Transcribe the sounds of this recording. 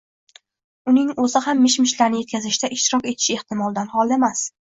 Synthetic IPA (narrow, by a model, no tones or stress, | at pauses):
ʊnɪŋɵzɪhamːɪʃmɪʃlaɾnɪje̞t̪̚kʲʰazɪʃt̪aʔɪʃt̪ɪɾɒkʲe̞t̪ʰɪ̥ʃɪe̞ht̪ɪmɒlˠd̪anhɒlˠemas